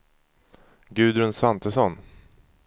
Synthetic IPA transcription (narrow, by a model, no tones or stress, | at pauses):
ɡʉ̟ːd̪ɾɵnsant̪ʰəsɔn